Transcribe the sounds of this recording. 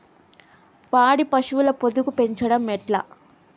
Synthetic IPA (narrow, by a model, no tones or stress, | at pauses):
paːɽipɐʂuʋulɐpod̪ukupe̞ɲt͡ʃɐɽɐmːɛʈlɐ̰